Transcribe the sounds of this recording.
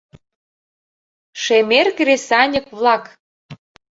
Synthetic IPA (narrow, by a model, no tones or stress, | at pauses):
ʃemerkresɑnʲə̆kβlɑk